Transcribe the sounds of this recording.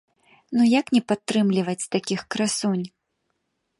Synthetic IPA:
nujaknʲɛpat̪ːɾɨmlʲivɐt͡sʲt̪akʲixkɾasunʲ

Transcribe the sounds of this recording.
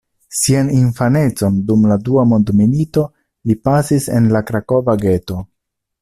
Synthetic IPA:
sianinfane̞t͡so̞ndumladuamo̞ndmilito̞ | lipasise̞̰nlakɾako̞vaɡe̞to̞

